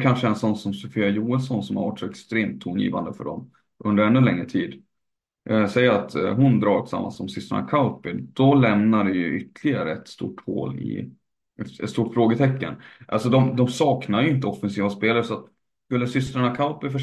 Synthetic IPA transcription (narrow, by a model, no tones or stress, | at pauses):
kʰanʂəɛnsɔnːsɔmsɔfiːajuːəlsɔnsɔmhaɾva̰ʈʂɔɛkst̪ɾeːmt̪ʰːuːnjḭːva̰nd̪əfœ̰ɖɔ̰m | ʔɵnd̪əɾɛnːɵlɛŋːɾət̪ʰiːd̪ | ʔsɛjːəɾat̪ɦʊnd̪ɾɑːʈʰɪ̥sa̰mːa̰nsɔmsʏst̪ɾa̰ɳa̰kʰaʊpɪd̪̥ɔlɛmnaɾɛjɵʔʏt̪ːlɪɡaɾə̰ɛt̪st̪ṵːʈho̰ːlɪ̰ | ʔɛt̪t̪st̪uːʈfɾoːɡət̪ʰɛkːənʔa̰lsɔd̪ɔmd̪ɔmsɑːknaɾjʏɪnt̪̬əɔfːɛnsiːvaspeːlaɾsɔat̪ | skɵlːəsʏst̪ɾaɳakʰaʊpɪfœ